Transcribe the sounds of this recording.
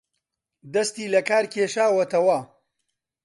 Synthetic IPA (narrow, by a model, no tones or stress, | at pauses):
d̪ɐst̪iːlɐkaːɾkʰeːʃaːwɐt̪ɐwɐ